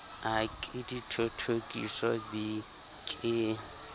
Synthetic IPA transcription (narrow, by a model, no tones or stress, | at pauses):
akʼɪditʰotʰokʼisɔdi | kʼɪ